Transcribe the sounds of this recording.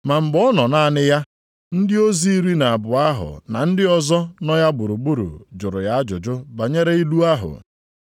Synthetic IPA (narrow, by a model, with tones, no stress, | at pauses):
ma˨m̩˨ɡ͡bɔ˦nɔ˨na˦a˦˨nɪ˦ja˦ | n̩˦dɪ˦o˦zi˦i˦ɾi˦na˨a˨bʊ˨a˦ɦʊ̰˨na̰˨n̩˦dɪ˦ɔ˦zɔ˦nɔ˦ja˦bʊ˨ɾu˨bu˦ɾṵ˨d͡ʒʊ˨ɾʊ˨ja˦a˦d͡ʒʊ˨d͡ʒʊ˦ba˨ɲe˦ɾe˦i˦lu˦a˦ɦʊ̰˨